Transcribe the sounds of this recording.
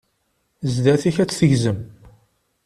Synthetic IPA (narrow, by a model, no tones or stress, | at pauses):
zd̪æθiçæt͡sːθəʝzəm